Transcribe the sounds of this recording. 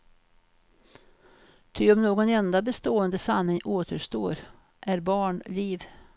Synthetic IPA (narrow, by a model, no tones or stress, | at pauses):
t̪ʰʏɔmnoːɡɔnɛnd̪abɛst̪oːənd̪əsanːɪŋʔoːt̪əʂt̪oːɾ | ʔæɾbɑːɳliːv